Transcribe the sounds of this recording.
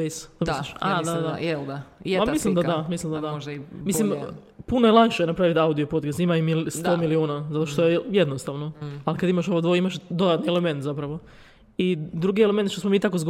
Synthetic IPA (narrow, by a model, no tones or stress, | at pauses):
ejst̪omisliʃa̰d̪ad̪d̪aed̪apamislˠimd̪ad̪amislimd̪ad̪ad̪mislim | punojelˠanʃejnapɾaʋit̪auwd̪iopot̪kast̪imaimist̪omiliuːnazat̪o̞ʃt̪ojejed̪nost̪aʋnoalikad̪imaʃo̞ʋod̪ʋoimaʃd̪o̞d̪at̪nieleme̞nt̪zapɾaʋo̞ | id̪ɾuɡieleme̞nt̪ʃt̪osmo̞miːt̪akozɡ